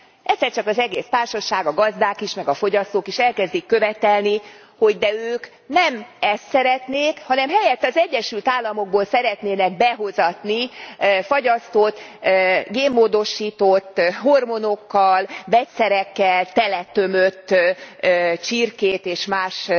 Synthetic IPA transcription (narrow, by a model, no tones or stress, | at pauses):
ɛt̪sːɛrt͡ʃɒkɒzɛɡeːst̪aːrʃɒʃaːɡɒɡɒzd̪aːkiʃmɛɡɒfo̞ɟɒst̪oːkiʃɛlkɛzd̪ikːø̞vɛt̪ɛlni | ho̞ɟd̪ɛøːk | nɛmɛst̪sɛɾɛt̪neːkhɒnɛmɦɛjɛt̪ːɒzɛɟːɛʃylt̪aːlːɒmo̞ɡ̚boːlsɛɾɛt̪neːnɛɡ̚bɛɦo̞zɒt̪nifɒɟɒst̪oːt̪ | ɡeːmːoːd̪o̞ʃiːt̪ot̪ːɦormono̞kːɒlvɛt̪sɛɾɛkːɛlt̪ɛlɛt̪ø̞møt̪ː | t͡ʃirkeːt̪eːʃmaːʃ